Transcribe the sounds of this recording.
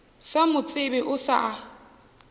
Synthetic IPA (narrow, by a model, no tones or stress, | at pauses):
samʊt͡sʼɪbɛʔʊsa̰ʔa